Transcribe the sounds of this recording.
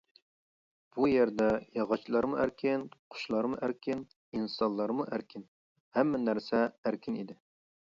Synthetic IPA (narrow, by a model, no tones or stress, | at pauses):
b̥ujɛɾd̪ɛjɑʁɑt͡ʃʰlˠɑɾmuʔæɾkʲʰɪnqʰʊ̥ʃlˠɑɾmuʔæɾkʲʰɪn | insɑnlˠɑɾmuʔæɾkʲʰɪn | hɛmːɛnæɾsɛæɾkʲʰɪnid̪ɪ